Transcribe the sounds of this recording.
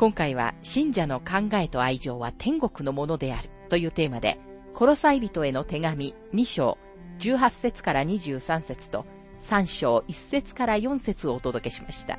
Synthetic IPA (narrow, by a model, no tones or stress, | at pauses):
kõŋkaiβ̞a̰ɕĩɲ̟d͡ʑano̞kãŋɡae̞t̪o̞aiʑo̞ːβ̞at̪ʰẽ̞ŋɡo̞kɯ̟no̞mo̞no̞d̪e̞aɾɯ̟̥t̪o̞jɯ̟ːt̪e̞ːmad̪e̞̰ | kʰo̞ɾo̞saibʲit̪o̞e̞no̞t̪e̞ɡamʲi | ɲ̟iɕo̞̰ː | d͡ʑɨːɦasːe̞t͡sɨ̥kaɾaɲ̟iʑɨːsãɰ̃set͡sɨ̥t̪o̞̰ | sãɰ̃ɕo̞ːʔisːe̞t͡sɨ̥kaɾajõ̞ɰ̃se̞t͡sɨo̞ːt̪o̞d̪o̞ke̞ɕi̥maɕi̥t̪a̰